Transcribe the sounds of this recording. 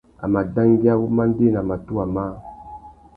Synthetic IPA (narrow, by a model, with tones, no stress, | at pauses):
a̰˨ma˨da˦ŋɡi˦a˦wo˦ma˦n˦de˦na˨ma˨tu˦a˨ma˦